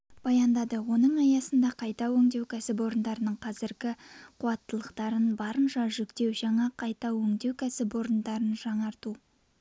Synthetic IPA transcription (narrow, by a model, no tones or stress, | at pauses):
b̥ɑjɑnd̪ɑd̪əwo̞nəɴɑjɑsənd̪ɑqʰɑjt̪ɑwɵŋd̪e̞wkʲʰæsɪpo̞ɾənd̪ɑɾənəɴqʰɑzɪɾɡʲɪqʰuɑt̪ːəlˠəqt̪ɑɾənbɑɾəmʃɑʒʏkt̪e̞wʒɑɴɑqʰɑjt̪ɑwɵŋd̪e̞wkʲʰæsɪpo̞ɾənd̪ɑɾənʒɑɴɑɾt̪u